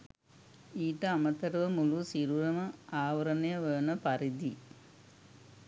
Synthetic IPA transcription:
iːʈɐɐmɐt̪ɐɾʋɐmulusiɾuɾɐmɐaːʋɐɾɐnɐjɐʋəːnɐpɐɾid̪i

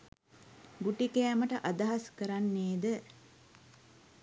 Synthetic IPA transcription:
ɡuʈikeːməʈəʔad̪ɐɦaskəɾanːeːd̪ə

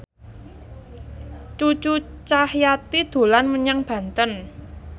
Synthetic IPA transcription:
t͡ʃu̥t͡ʃut͡ʃahjat̪id̪̥o̤lanməɲaŋb̥ä̤nt̪ən

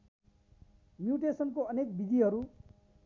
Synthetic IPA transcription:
mjuʈesʌnkoʌnek̚bid̪ʱiɦʌɾu

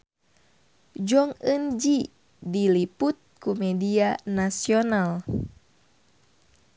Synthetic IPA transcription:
d͡ʒɔŋənd͡ʒi | diliput̪̚kumɛdianasional

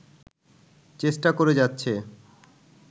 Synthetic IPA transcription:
t͡ɕesʈakoɾed͡ʑatːɕʰe

